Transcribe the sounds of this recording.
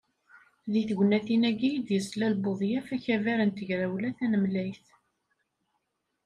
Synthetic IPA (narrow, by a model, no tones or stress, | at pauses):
ðiθɡʷnæθinæɡijd̪jəslælboðˤjæfæçævæɾənt̪əʝɾæwlæθænəmlæjθ